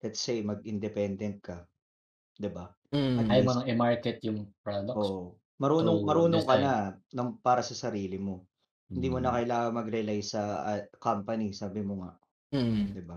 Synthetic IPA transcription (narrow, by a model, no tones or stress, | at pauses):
lɛt̪sejmɐɡʔɪnd̪ɛpɛnd̪ɛnt̪̚kɐ | d̪ɪba | ɐt̪ːmɐɐŋɛmaɹkɛt̪jʊŋpɹod̪ɐʔoʔo | mɐɾuːnoŋmɐɾuːnoŋkɐnanɐŋpaːɾɐsɐsɐɾiːlɪmo̞ | hɪnd̪iːmonɐkɐjlaːŋɐŋmɐɡɾɛlajsɐɐkampɐnisaːbɪmoŋa̰ʔ | d̪ɪba